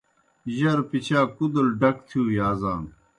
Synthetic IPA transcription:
ʑɐɾpit͡ɕʰaːkud̪ɐlɖɐkt̪ʰijuːjaːzaːn

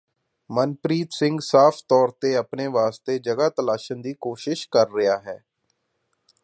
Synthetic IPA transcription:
mənpɾiːt̪sɪ̃ŋɡsaːpʰt̪ɔːɾt̪eːəpneːʋaːst̪eːd͡ʒəɡaːt̪əlaːʃənd̪iːkoːʃɪʃkəɾːɪjaːɦɛː

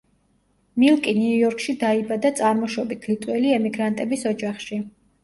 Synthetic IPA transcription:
milˠkʼiniujɔɾkʰʼʃid̪aibad̪at̪sʼaɾmɔʃɔbit̪̚ɡ̥lit̪ʼwɛliɛmiɡɾant̪ʼɛbisɔd͡ʒaχʃi

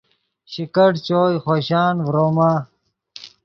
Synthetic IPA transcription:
ɕikɐʈt͡ɕoːjxoːɕaːnvɾoːma

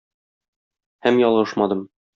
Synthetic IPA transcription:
hæmjɒlˠʁɤʃmɑd̪ɤm

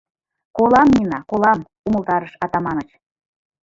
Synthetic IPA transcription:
kolɑmnʲinɑkolɑm | uməlˠt̪ɑɾəʃɑt̪ɑmɑnət͡ɕ

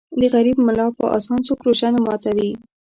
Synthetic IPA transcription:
d̪əɣaɾibmʊlɑpə̰ʔa̰sɑnt͡sokɾoʒanemɑt̪ad̪i

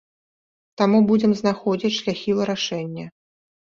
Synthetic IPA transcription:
t̪amubud͡zʲɛmznaxɔd͡zʲit͡sʲʂlʲaxʲivɨɾaʂɛnʲːɐ

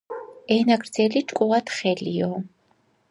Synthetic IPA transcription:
ɛnaɡɾd̪zɛlit͡ʃʼkʼɔvat̪ʰχɛlijɔ

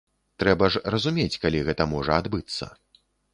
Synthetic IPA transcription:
t̪ɾɛbɐʐrɐzumʲet͡sʲkalʲiɣɛt̪ɐmɔʐɐad̪bɨt̪sːɐ̰

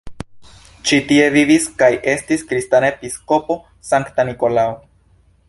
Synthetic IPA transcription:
t͡ʃitie̞viviskajʔe̞stiskɾistanaepisko̞po̞ | saŋktaniko̞lao

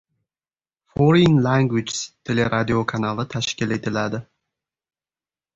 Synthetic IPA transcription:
foɾinlaŋɡwit͡ʃst̪ʰe̞leɾʔad̪iokʰanalˠɪt̪ʰaʃkʲɪle̞t̪ʰɪlad̪ɪ

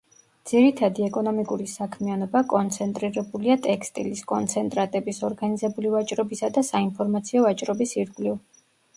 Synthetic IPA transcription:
d̪z̥iɾit̪ʰad̪iɛkʼɔnɔmikʼuɾisakʰmianɔbakʼɔnt̪sʰɛnt̪ʼɾiɾɛbuliat̪ʼɛkst̪ʼḭliskʼɔnt̪sʰɛnt̪ʼɾat̪ʼɛbisɔɾɡanizɛbulivat͡ʃʼɾɔbisad̪asainpʰɔɾmat̪sʰiɔvat͡ʃʼɾɔbisiɾɡliv

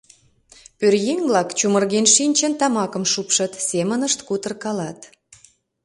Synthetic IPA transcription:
pørjeŋβlɑkt͡ɕumərɣenʃinʲt͡ɕə̆nt̪ɑmɑkə̆mʃupʃə̆t̪semənəʃt̪kut̪ərkɑlɑt̪

